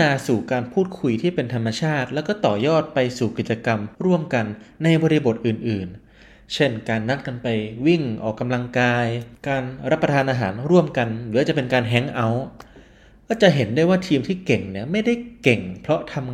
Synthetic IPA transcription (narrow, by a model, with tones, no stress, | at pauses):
aː˧suː˨˩kaː˧npʰuː˥˩t̪̚kʰu˧jt̪ʰiː˥˩pe˧nt̪ʰa˧mːa˧t͡ɕʰaː˥˩t̪̚lɛː˦˥wkɔː˥˩t̪ɔː˨˩jɔː˥˩t̪̚pa˧jsuː˨˩ki˨˩t̪̚t͡ɕa˧ka˧mɾu˥˩əmka˧nːa˧jbɔː˧ɾi˧bo˨˩t̪̚ʔɯː˨˩nʔɯː˨˩n | t͡ɕʰe˥˩nkaː˧nːa˦˥t̪̚ka˧npa˧jwi˥˩ŋʔɔ̰ː˨˩kːa˧mla˧ŋkaː˧jkaː˧nɾa˦˥pːɾa˧t̪ʰaː˧nʔaː˧ɦaː˩˦nɾu˥˩əmka˧nlɯː˩˦t͡ɕa˨˩ʔpe˧nkaː˧nɦɛ˦˥ŋʔa˦˥w | kɔː˥˩t͡ɕa˨˩ʔɦe˩˦ndaː˥˩jwaː˥˩t̪ʰiː˧mt̪ʰiː˥˩ke˨˩ŋni˦˥˩ɐma˥˩jda˥˩jke˨˩ŋpʰɾɔ˦˥t̪ʰa˧m